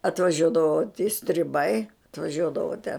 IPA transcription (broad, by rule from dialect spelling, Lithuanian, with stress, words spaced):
ɐtʋɐˈʒʲuɔdɐʋoː tʲɪ sʲtʲrʲɪˈbɐɪ ɐtʋɐˈʒʲuɔdɐʋoː tʲɛ